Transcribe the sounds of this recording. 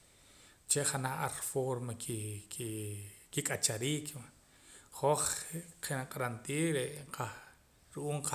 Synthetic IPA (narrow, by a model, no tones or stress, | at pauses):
t͡ʃeʔχanaaɾfoɾmaki | kikʼat͡ʃaɾiːkʰwa | χoχqenaqʼɾant̪iːɾeʔqʰa | ɾuʔuːɴqa